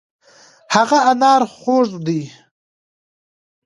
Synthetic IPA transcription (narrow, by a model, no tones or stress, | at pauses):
haɣaanɑːɾχoːzd̪i